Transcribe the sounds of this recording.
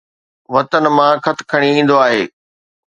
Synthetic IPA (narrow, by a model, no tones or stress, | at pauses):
ʋɐt̪ənmãkʰɐt̪̆ʰkʰɐɽ̃iĩːn̆d̪oaːɦeː